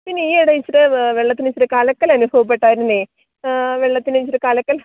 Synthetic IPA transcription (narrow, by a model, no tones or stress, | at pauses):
pinːeiːɐɽɐjt͡ɕːiɾeʋeɭːɐt̪ːint͡ɕːiɾɨkaːlɐkːɐlɐnubʱɐʋɐp̬ːe̞ʈːaːjɾunːɨ | ʋeɭːɐt̪ːinet͡ɕiɾɨkaːlɐkːɐl